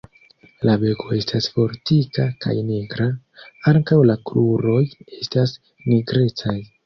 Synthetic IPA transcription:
labe̞ko̞e̞stasfo̞ɾtikaka̰jneɡɾa | aŋkawlakɾuɾo̞je̞stas | niɡɾe̞t͡saj

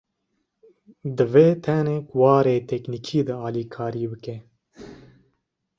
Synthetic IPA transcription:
d̪ɨveːt̪ʰɛnekwɑːɾeːt̪ʰɛkniːkʰiːd̪ɨɑːlikʰɑːɾiːbɨke

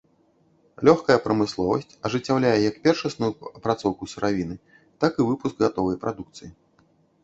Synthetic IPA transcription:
lʲɔxkɐjɐpɾɐmɨslˠɔvɐsʲt͡sʲɐʐɨt͡sʲːawlʲajɛjɐkpʲɛrʂɐsnujuɐpɾat̪sɔwkusuɾʔavʲinɨ | t̪akivɨpuskɣat̪ɔvɐjpɾad̪ukt̪sɨji

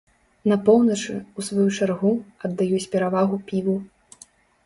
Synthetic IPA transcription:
nɐpɔwnɐt͡ʂɨ̰usvajut͡ʂarɣuɐd̪ːajusʲpʲɛɾavaɣupʲivu

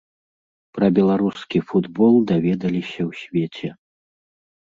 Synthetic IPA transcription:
pɾɐbʲɛlˠaɾuskʲifud̪bɔlˠd̪avʲɛd̪ɐlʲisʲɐwsʲvʲet͡sʲɛ

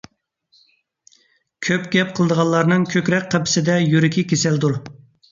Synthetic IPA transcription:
kʲʰøpɡʲɛp̚qʰəlˠɨd̪əʁɑllˠɑɾnɨŋkʲʰøkʲɾɛk̚ʲqʰɛpʰɪ̥sɪd̪ɛjyɾɪkʲʰikʲʰesɛld̪uɾ

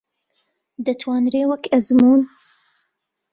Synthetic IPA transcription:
d̪ət̪ʰwɑːnɾeːwəkʰɐzmuːn

